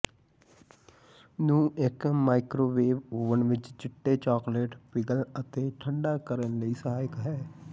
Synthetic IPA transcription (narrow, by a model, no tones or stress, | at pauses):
nũːʔɪkmaːɪkɾoːʋeːʋuːʋənʋɪt͡ʃt͡ʃɪʈːet͡ʃɔːkleːʈpɪɡələt̪eːʈʰəɳɖaːkəɾənləiːsəɦaːjɪkɦɛː